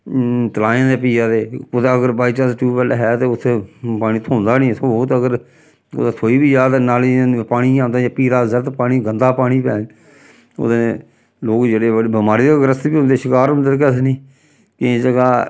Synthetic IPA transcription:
t̪əlaːãːd̪eːpiːjaːd̪eːʊd̪aəɡəɾbaːit͡ʃaːsʈuːpəlɦɛːt̪eːʊt̪ʰːepaːniːt̪ʰoːnd̪aːnĩːt̪ʰot̪əɡəɾ | ʊ̰d̪aːt̪ʰoːiːbiːjaːt̪ːnaːlĩpaːɽ̃iːãːnd̪aːjaːpiːɾaːzəɾt̪paːɽ̃iːɡənd̪aːpaːɽ̃iːpɛː | o̰d̪ee | loːkd͡ʒeːɽeːəbəmaːɾiːd̪eːɡəɾəst̪biːʊ̃nd̪eːʃɪkaːɾʊ̃nd̪eɾk̬ɛːsniː | kɪd͡ʒəɡaː

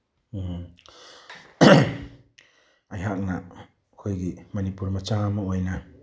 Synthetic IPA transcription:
ajɦak̚na | kʰojɡimɐnipuɾmat͡ʃamawajna

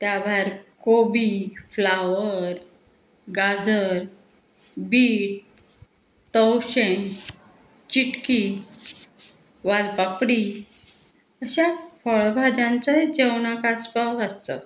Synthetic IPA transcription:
t̪jaʋəɾkobiflaʋəɾ | ɡad͡zəɾ | biːʈ̚ | t̪əwɕeɳ | t͡ɕiʈki | ʋalpapɽi | əɕafəɭbʱad͡zãnt͡saɦed͡ʑewnakaspaəst̪ə̰

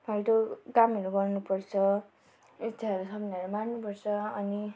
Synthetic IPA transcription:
bʱajʈoɡamʌɾuɡʌrnupʌrt͡sʰʌ | it͡sʰaʌɾusʌbʌnaʌɾumannupʌrt͡sʰʌʌni

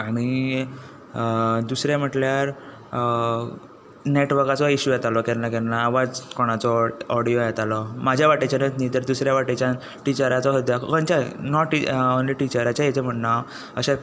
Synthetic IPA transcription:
aɽ̃i | d̪usɾjam̤əʈljaɾ | neʈʋəɾkat͡sɔiɕujɛt̪alɔkɛnakɛnaːʋad͡zkoɽ̃at͡sɔːɽijojɛt̪alɔmad͡ʑʱjaʋaʈet͡ɕanət̪ʰnĩt̪əɾd̪usɾjaʋaʈet͡ɕja | ʈit͡ɕəɾat͡sɔɦod̪jakkənt͡ɕanɔʈionliʈit͡ɕəɾat͡ɕaɛt͡ɕem̤əʈnaw | əɕẽ

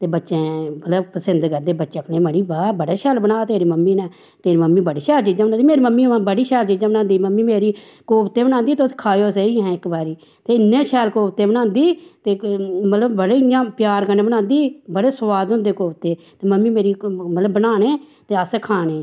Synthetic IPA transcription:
t̪eːbətːʃẽːmət̪ləbpəsɪnd̪kəɾd̪eːbətːʃəkʰnẽːməɽiːbabəɽeːʃɛːlbənaːt̪eːɾiːməmːiːnɛ̃ː | t̪eːɾiːməmːiːbəɽiːʃɛːlt͡ʃid͡ʒãːbənaːiːmeːɾiməmːiːbəɽiːʃɛːlt͡ʃid͡ʒaːbənãːnd̪iːməmːiːmeːɾiː | koːpt̪eːbənãːnd̪iːt̪ʊskʰaːjoːs̬eiːɦɛ̃ːɪkbaːɾiː | t̪eːɪnːẽːʃʰɛːlkoːt̪eːbənãːnd̪iːt̪eːmət̪ləbbəɽeːãːpjaːɾkəɾneːbənãːnd̪iːbəɽeːsʊʋaːd̪ʊ̃nd̪eːkoːbt̪eːt̪eːməmːiːmeːɾiːmət̪ləbːənaːneː | t̪eːəsɛːkʰaːneː

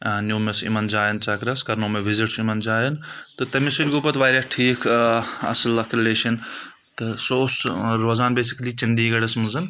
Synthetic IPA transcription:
nʲjuːmesḭmɐnd͡ʒaːjɐnt͡ʃɐkɾɐskɐɾnoːmeʋiziʈsimɐnd͡ʒaːjɐnt̪ɨt̪ɐmisɐlʲɡopɐt̪ʋaːjɾɐʈʰiːkʰɐ̰slɐkʰɾileːʃɐn | t̪ɨsosɾoːzaːnbeːsi̥kliːt͡ʃɐnd̪iːɡɐɽɐsmɐnzɐn

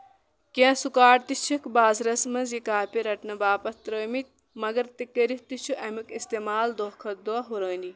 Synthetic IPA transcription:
kẽsukaːʈt̪it͡ʃʰɐkʰbaːzɾɐsmɐnzjikaːpʲiɾɐʈnɐbaːpɐt̪ɾəːmit̪̚ʲ | mɐɡɐɾt̪ikːɐɾiht̪it͡ʃʰuʔɐmikist̪eːmaːld̪oːkʰɐt̪̚d̪oɐɦuɾəːnd̪ʲi

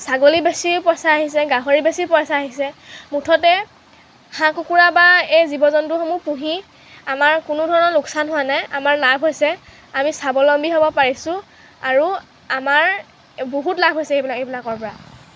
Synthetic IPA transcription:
saɡolibesiɹpɔjsaːɦisɛɡaɦɔɹibesipɔjsaːɦisɛmutʰɔtɛ | hãkukuɹabaejzibɔzɔntʊxɔmupuɦi | amaɹkʊnʊdʱɔɹɔnɔlʊksanɦʊwanajamaɹlabʱɦojsɛ | amisabɔlɔmbiɦobɔpaɹisʊ̃ | aɹu | amaɹ | boɦutlabʱɦojsɛejblakejbilakɔɹpɔɹa

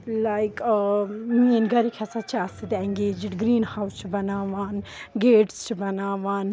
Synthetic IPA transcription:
lajkː | mĩẽnɡɐɾikʰɛsat͡ʃʰiasid̪ɛ̃ŋɡeːd͡ʒɪʈɡɾĩːnhawst͡ʃʰubɐnaːʋaːnɡeːʈst͡ʃʰubɐnaːʋaːn

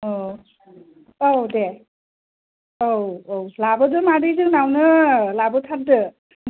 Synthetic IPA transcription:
o | ode | owowlabɯdɯmadɯjzɯŋnawnɯlabɯtʰat̚dɯ

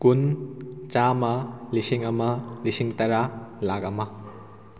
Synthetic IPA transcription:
kunt͡ʃamɐlisiŋɐmɐlisiŋtɐɾalaɡɐmɐ

